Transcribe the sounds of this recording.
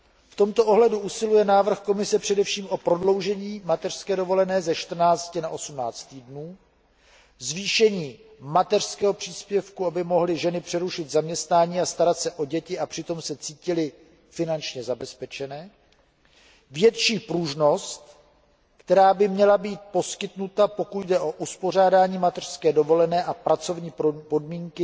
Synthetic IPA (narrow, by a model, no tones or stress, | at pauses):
ft̪o̞mt̪o̞ʔo̞ɦlɛduʔusɪlujɛnaːvr̩xko̞mɪsɛpr̥ɛdɛfʃiːmʔo̞pɾo̞dlo̞wʒɛɲiːmat̪ɛr̝̥skɛːdo̞vo̞lɛnɛːzɛʃt̪r̩naːt͡scɪnaʔo̞sumnaːt͡st̪ːiːdnuː | zviːʃɛɲiː | mat̪ɛr̝̥skɛːɦo̞pr̝̥iːspjɛfkuabɪmo̞ɦlɪʒɛnɪpr̝̥ɛɾuʃɪt̪zamɲɛst̪naːɲiːast̪aɾat̪sɛʔo̞ɟɛcɪapr̥ɪt̪o̞msɛt͡siːcɪlɪ | fɪnant͡ʃɲɛzabɛspɛt͡ʃɛnɛː | vjɛt̪ʃiːpɾuʒno̞st̪ | kt̪ɛɾaːbɪmɲɛlabiːt̪̚po̞skɪt̪nut̪apo̞kud̪dɛʔo̞ʔuspo̞r̝aːdaːɲiːmat̪ɛr̥skɛːdo̞vo̞lɛnɛːʔapɾat͡so̞vɲiːpo̞dmiːŋkɪ